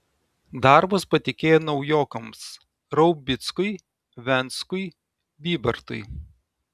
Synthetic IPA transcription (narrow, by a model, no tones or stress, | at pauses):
d̪ɑˑɾbʊspɐt̪ʲɪkʲeːjɛnɒʊjoːkɐms | ɾɐʊbʲɪt̪skʊɪ | ʋʲɛnˑt̪skʊɪ | bʲiːbʲɐɾt̪ʊ̰ɪ